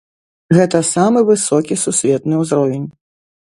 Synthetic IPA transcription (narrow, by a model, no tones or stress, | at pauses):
ɣɛt̪ɐsamɨvɨsɔkʲisusʲvʲɛt̪nɨwzɾɔvʲenʲ